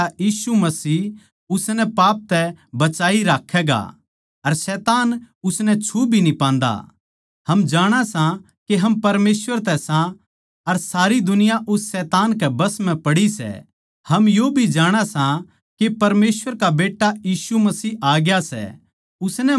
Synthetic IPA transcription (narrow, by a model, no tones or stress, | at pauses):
ajiːsumɐsiː | ʊsnɛpaːp̚t̪ɛbɐt͡ʃaːiɾaːkʰːɛːɡa̰ | ɐɾsɛːt̪aːn | ʊsnɛt͡ʃʰubʱinipãːnd̪a̰ | hɐmd͡ʒaːɽ̃asã | keɦɐmpɐɾmeːsʋəɾt̪ɛsã | ɐɾsaːɾid̪ʊnɪjaʔʊsːɛːt̪aːnkɛbɐsmɛ̃pɐɽisɛ̰ | hɐmjoːbʱid͡ʒaːɽ̃asã | kepɐɾmeːsʋəɾkabeːʈːajiːsumɐsiːaːɡjasɛ̰ | ʊsnɛ